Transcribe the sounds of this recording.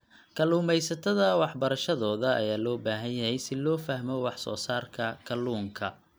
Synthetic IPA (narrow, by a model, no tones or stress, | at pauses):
kʰɐluːmɛjsɐt̪ʰɐðɐwɑħbɐɾɐʃɐðɔːðɐʔɐ̰jaːlɔːbaːɦɐnjɐhɛjsɪlɔːfɐhmɔwɑħsɔ̰ːsaːrkʰɐkʰɐluːŋkʰɐ